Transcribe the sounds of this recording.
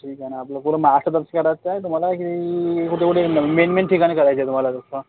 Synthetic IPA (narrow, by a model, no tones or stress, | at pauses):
ʈʰiːkanaːplakulamasʈəɾd̪əɾəskəɾat͡saɦet̪um̤alakit̪ikuʈʰekuʈʰemenʈmẽɳʈʰːikanekəɾajt͡ɕeet̪um̤alad̪osə